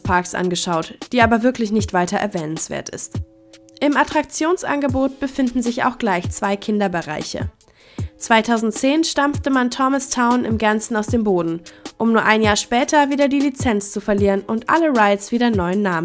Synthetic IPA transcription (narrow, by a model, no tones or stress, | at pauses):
pʰaɐksʔa̰nɡəʃaʊtd̥iːʔaːbɐvɪɐklɪçnɪçtv̥aɪtɐʔɛ̰ɐvɛːnənsv̥ḛːɐtɪ̰st | ʔɪmʔatʁ̥ak̚t͡sjoːnsʔa̰nɡəboːt̚b̥əfɪndn̩zɪça̰ʊxɡ̥laɪçt͡sv̥aɪkʰɪndɐbəʁa̰ɪçə̰ | t͡sv̥aɪtʰaʊzn̩tt͡seːnʃtamftəmantʰɔməstʰaʊnɪ̰mɡɛɐnsn̩aʊsd̥eːmboːdn̩ʔʊmnuːɐʔaɪnjaːɐʃpɛːtʰɐviːdɐdiːlit͡sɛnt͡st͡sufɛɐliːʁənʔʊntʔa̰ləʁaɪsv̥iːdɐnɔʏənːaːmən